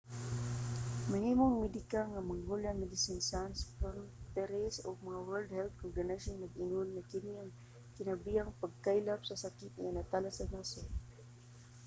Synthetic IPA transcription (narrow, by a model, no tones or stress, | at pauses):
mɐhiːmoŋmɛd̪ɪkaŋamaŋhulaŋmɪd̪ɪsinsanspɔnt̪ɛɾɛsoɡ̚mɐŋawɛld̪̚hɛlt̪̚koɡanaʃonːɐɡɪnʊnŋakɪniɐŋ | kɪnɐbiaŋpaɡ̚kajlapsɐsakit̪ŋa̰nat̪alasanaso